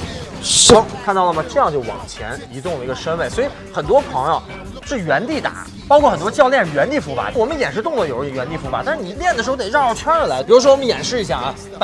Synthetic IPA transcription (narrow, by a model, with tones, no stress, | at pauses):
ʂɑ˥ŋkʰa˥˧nt̪ɑ˥˩ʊlə˩mə˩ʈ͡ʂɤ˥˧jɑ˥˧ŋt͡ɕjo˥˩ʊwɑ̰˨˩ŋt͡ɕʰjɛ̰˧˥ni˧˥t̪ʊ˥˩ŋlə˩i˧˥ɡə˧ʂə˥nwe˥˩ɪswɔ˧˥i˧˥ | xə˨˩nt̪wɔ˥pʰɑ˧˥ŋjo˧ | ʂɻ̩˥˩ɥɛ˧˥nt̪i˥˩t̪a̰˨˩˦ | pɑ˥ʊkʰwɔ˥˩xə˨˩nt̪wɔ˥t͡ɕjɑ˧ʊljɛ˥˩n˥˩ɥɛ˧˥nt̪i˥˩fu˧˥fa̰˨˥wɔ˨˩mə˦njɛ˨˩nʂɻ̩˥˧t̪ʊ˥˧ŋlə˧˩jo˨˩˥ɥɛ˧˥nt̪i˥˩fu˧˥pa˨˩˦t̪a˥˧ʂɻ̩˥˩ni˨˩ljɛ˥˩nə˩ʂɻ̩˧˥˧t̪ɑ˥˧jɑ˥˩t͡ɕʰɥɛ˥nə˞˧˥la˧˥ɪpi˨˩ɻu˧˥ʂwɔ˥wɔ˨˩mə˦njɛ̰˨˩nʂɻ̩˥˩i˧˥ɕja̰˥˧˩a˧˩˥